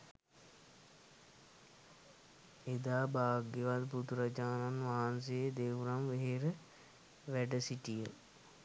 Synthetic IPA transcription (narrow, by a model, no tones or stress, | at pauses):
ed̪aːbaːɡeʋad̪but̪uɾɐd͡ʒaːnanʋaɦans̬eed̪eʋuɾamʋeɦeɾə | ʋæɖəsiʈijə